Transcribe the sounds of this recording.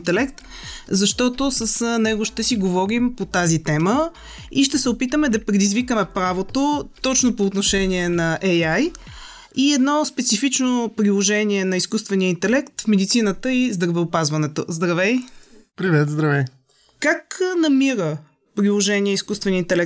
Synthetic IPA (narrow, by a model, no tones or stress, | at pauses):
nt̪ɛlɛkt̪ | zɐʃt̪ɔt̪osəsnɛɡoʃt̪ɛsiɡovɔɾimpot̪azit̪ɛmə | iʃt̪ɛsɛopit̪əmɛd̪ɐpɾɛd̪izvikəmɛpɾavot̪ot̪ɔt͡ʃnopoːt̪noʃɛniɛnɐʔɛjaj | iɛd̪nɔspɛt̪sifit͡ʃnopɾilˠoʒɛniɛnɐiskust̪vɛniəint̪ɛlɛkt̪fmɛd̪it̪sinət̪əizd̪ɾɐvɛopazvɐnɛt̪o̰zd̪ɾɐvɛjpɾivɛt̪zd̪ɾɐvɛ | kaknɐmiɾə | pɾilˠoʒɛniɛiskust̪vɛniəint̪ɛlɛk̪̚